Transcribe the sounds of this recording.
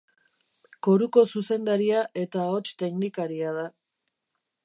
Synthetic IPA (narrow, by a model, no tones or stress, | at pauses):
ko̞ɾuko̞suse̞nd̪aɾiaʔe̞t̪ao̞t͡ʃt̪e̞knikaɾiað̞a